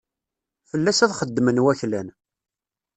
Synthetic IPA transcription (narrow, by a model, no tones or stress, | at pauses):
fəlːæsæðχəd̪ːmənwæçlæn